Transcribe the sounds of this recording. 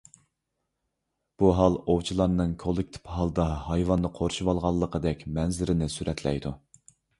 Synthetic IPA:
b̥uɦɑlˠowt͡ʃʰilˠɑɾnɨŋkʰolˠɪk̚ʲt̪ʰɪ̥pɦɑlˠd̪ɑhɑjvɑnd̪əqʰoɾuʃuwɑlˠʁɑlˠːəqʰəd̪ɛkʲmɛnzɪɾɪnɪsyɾʔɛt̪ʰlɛ̰jd̪u

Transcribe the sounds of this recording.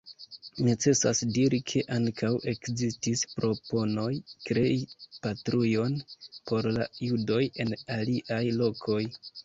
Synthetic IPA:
net͡se̞sa̰sdiɾikʰe̞ʔaŋkawʔe̞kzistispɾo̞po̞no̞jkɾe̞ipatɾujo̞npo̞ɾlajudo̞je̞naliʔajlo̞kʰo̞j

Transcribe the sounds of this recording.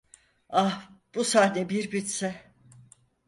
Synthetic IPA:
ahb̥usaːnɛbiɾbit̪sɛ

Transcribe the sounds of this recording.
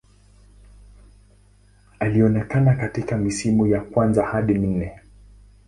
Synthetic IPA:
aliɔnɛkanakatikamisimujakwanzahaɗimn̩nɛ

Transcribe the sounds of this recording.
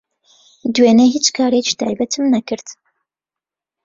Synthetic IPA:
d̪weːneɦiːt͡ʃkʰaːɾet͡ʃi̥t̪ʰaːjbɐt̪ʰɨmnɐkʰɨɾd̪

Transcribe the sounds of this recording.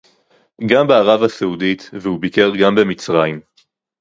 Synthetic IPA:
ɡambeaʁavaseud̪it̪vehubikeʁɡambe̞mit͡sʁaim

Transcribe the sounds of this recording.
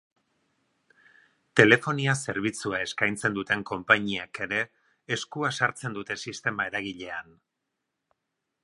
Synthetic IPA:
t̪e̞le̞fo̞niase̞ɾβ̞it͡suae̞skajnt͡se̞nd̪ut̪e̞ŋko̞mpaɲiake̞ɾe̞ː | skuasaɾt͡se̞nd̪ut̪e̞sist̪e̞mae̞ɾaɣiʎe̞an

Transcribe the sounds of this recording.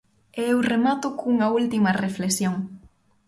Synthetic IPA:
eewremat̪ʊkuŋɐult̪imɐreflesjoŋ

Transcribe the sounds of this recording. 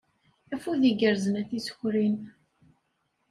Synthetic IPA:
æfuðiɡəɾzənæθisçɾin

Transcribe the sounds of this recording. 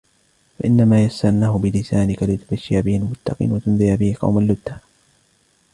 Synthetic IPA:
faʔɪnːamaːjasːannːaːhʊbɪlɪsaːnɪkalɪt̪ʊbaʃːɪhabɪhalmʊt̪ːɑqḭːnwat̪ʊnðˤɪjabɪhɪqɑ̰wmalːʊt̪ːḁ

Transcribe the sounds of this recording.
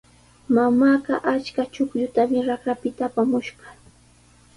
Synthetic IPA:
mamaːɢɑ̰ʔat͡ʃkat͡ʃʊkʎʊt̪amɪɾakɾapɪt̪aːpamʊʃɢɑ

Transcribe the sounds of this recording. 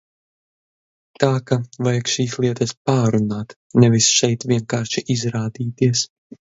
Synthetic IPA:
t̪aːkavajkʃiːslˠiɛt̪ɐspaːɾunaːt̪ | nɛvisʃɛjt̪vʲiɛŋkaːɾʃiʔizɾaːd̪iːt̪iɛs

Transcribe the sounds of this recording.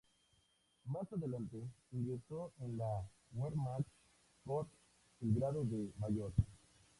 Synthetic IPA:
masaðelant̪eiŋɡɾeɾsoenla | weɾmat | kot̪ | elɡɾaðoðemajoɾka

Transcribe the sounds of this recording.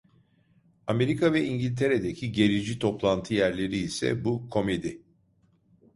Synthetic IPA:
ame̞ɾikʰavɛiɲɟilʲt̪ʰe̞ɾe̞d̪e̞cʰiɟe̞ɾid͡ʒit̪ʰo̞plˠant̪ʰɯjæɾlʲe̞ɾiːsɛ̰bukʰo̞me̞d̪i

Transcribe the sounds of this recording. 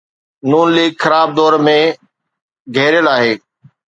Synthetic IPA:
nuːnliːɡxəɾaːb̚d̪ɔːɾmẽ | ɡʱeːɾjəlaːɦeː

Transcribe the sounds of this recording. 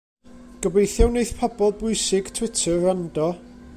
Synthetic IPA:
ɡ̥əbejθjawneɨθpʰɔbɔlˠbʊɨsɪɡ̥tʰw̥ɪtʰərandɔ

